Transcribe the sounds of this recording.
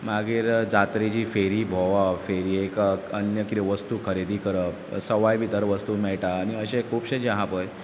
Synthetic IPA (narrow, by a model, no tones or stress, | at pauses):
maɡiːɾd͡zat̪ɾid͡ʑifeɾiːbʱoʋafeɾiːekənjəkiɾeʋəst̪ukʰəɾed̪ʱikəɾəpsəʋajbʱit̪əɾʋəst̪umɛɭʈaːniəɕekʰuːbɕẽd͡ʑeɦãpəj